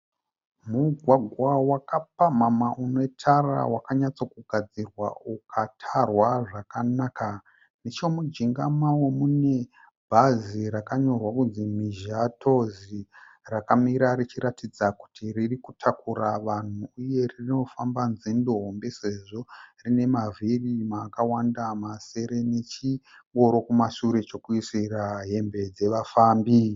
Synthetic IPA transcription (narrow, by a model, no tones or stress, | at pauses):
muɡʱwaɡʱwawakap̚amamaʔunotʰara̰wakaɲat͡so̞kuɡʱad͡zirwa̰ukʰatʰarwaʐakanaːka | net͡ʃomud͡ʒiŋɡamawe̞mune̞ | bʱaziɾakaɲo̞rwakunzimiʒatʰo̞zi | rakamiɾarit͡ʃiɾatid͡zaku̥tʰiririkutʰakuɾaʋan̤uːje̞ririno̞fambanzindoɦombe̞se̞ʐo̞rine̞mavʱirimakawandamase̞ɾe̞ne̞t͡ʃi | ŋɡo̞ɾo̞kumasuɾe̞t͡ʃo̞kuisiraɦe̞mbe̞d͡ze̞ʋafaːmbi